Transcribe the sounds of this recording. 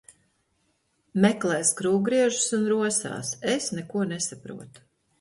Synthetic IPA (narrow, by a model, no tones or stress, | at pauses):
mɛklˠɛːskɾuːɡɾiɛʒu̥sunɾuɔsa̰ːsesnɛkuɔnesapɾṵɔt̪u̥